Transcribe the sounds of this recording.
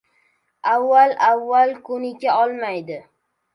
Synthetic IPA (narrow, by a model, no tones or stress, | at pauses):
avːalavːalkʰʊnɪkʲaɒlˠmajd̪ɪ